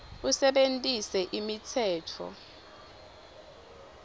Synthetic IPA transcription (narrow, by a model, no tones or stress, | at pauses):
usɛɓentʼisɛʔimitʰɛːtʰɔ̰